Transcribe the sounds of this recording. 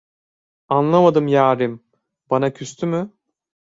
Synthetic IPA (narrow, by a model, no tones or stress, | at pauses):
anlˠamad̪ɯmjaːɾim | banacʰyst̪ʰymy